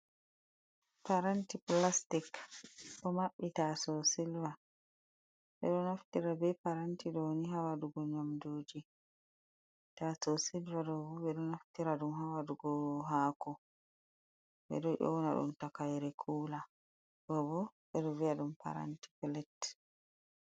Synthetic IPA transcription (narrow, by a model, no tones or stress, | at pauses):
paɾantiplastikɗɔmaɓːitasɔsilva | ɓɛ̰ɗɔnaftiɾabɛpaɾantiɗɔwoniɦawaduɡɔɲamdoːd͡ʒi | tasɔsilvadɔbɔɓɛɗɔnaftiɾaɗumhawaduɡɔɦakɔ | ɓɛ̰ɗɔʔɔ̰wnaɗṵmtakajɾɛkʰuːla | ɗɔbɔɓɛɗɔviaɗumpa̰ɾa̰nti̥plɛt